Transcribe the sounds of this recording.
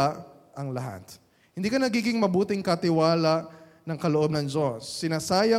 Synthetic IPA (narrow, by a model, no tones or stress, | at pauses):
aʔ | ʔɐŋlɐɦa̰t̪ | hɪnd̪iːkɐnɐɡiːɡɪŋmɐbuːt̪ɪŋkɐt̪ɪwaːlɐʔ | nɐŋkɐloʔob̚nɐŋd͡ʒosːɪnaːsaːjɐ